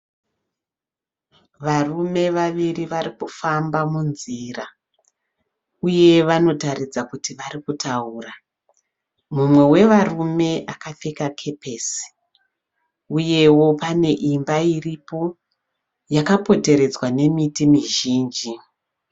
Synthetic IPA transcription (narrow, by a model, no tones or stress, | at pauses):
ʋarume̞ʋaʋiriʋaɾikufambamunzira | uje̞ʋano̞taɾid͡zakutiʋaɾikutʰauːra | mumwe̞we̞ʋarume̞ʔakafe̞kakʰe̞pesi̥ | uje̞wo̞pane̞ʔimbairipo̞ | jakapo̞te̞ɾe̞d͡zwane̞mitimiʒiːnd͡ʒi